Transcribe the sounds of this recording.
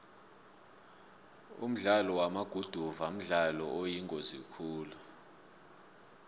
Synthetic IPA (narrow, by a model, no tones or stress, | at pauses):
ṵm̩ɮalɔwamaɡ̥ʱud̥ʱuvam̩ɮalɔojiŋʼozikʰuːlu